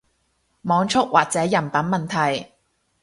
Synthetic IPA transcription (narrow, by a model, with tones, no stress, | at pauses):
mɔː˨˧ŋt͡ʃʰʊ˥k̚waː˨k̚t͡sɛː˨˥jɐ˨˩npɐ˨˥nmɐ˨nt̪ʰɐ˨˩j